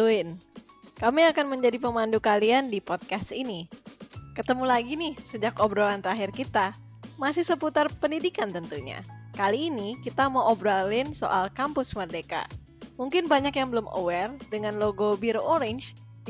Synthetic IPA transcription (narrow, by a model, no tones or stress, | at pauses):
tuɪn | kamiakanməɲd͡ʒadipəmandukaliandipɔt̪̚kast̪ini | kət̪əmulaɡinɪhsəd͡ʒakɔbɾolant̪əɾaɦɪrkit̪a | masɪhsəput̪arpəndidikant̪ənt̪uɲa̰kaliːnikit̪amawʔobɾalɪnso̰ʔalkampʊsmərdeka̰ | muŋkɪnbaɲakjaŋbəlʊmʔo̰wɛrdəŋanloɡobiɾoʔoɾɪɲd͡ʒ